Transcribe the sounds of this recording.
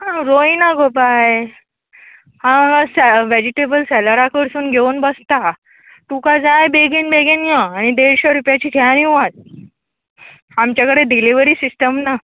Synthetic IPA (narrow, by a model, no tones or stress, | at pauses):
ɦãɾoinaɡʱopaj | hãsɛʋed͡ʑiʈebəlsɛləɾakəɾsuːnɡʱeunbəst̪a | t̪ukad͡zajbeɡinbeɡenjəaɽ̃id̪eɾɕəɾupjat͡ɕiːd̪ʰʱjaniʋat̪̚ | amt͡ɕjakəɽeɖiliʋəɾiːsisʈəmna